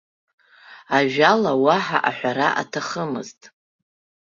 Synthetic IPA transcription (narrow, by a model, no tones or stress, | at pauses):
aʒᶣalawaħaʔaħʷᶣaɾaʔa̰tʰaχəmɨ̰ztʼ